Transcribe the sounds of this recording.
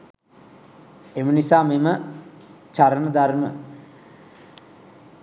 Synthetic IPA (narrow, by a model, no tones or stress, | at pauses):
emənisaːmemə | t͡ʃaɾənəd̪armə